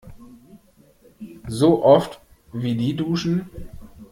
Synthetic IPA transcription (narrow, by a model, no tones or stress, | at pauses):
zoːʔɔft | viːdiːduːʃn̩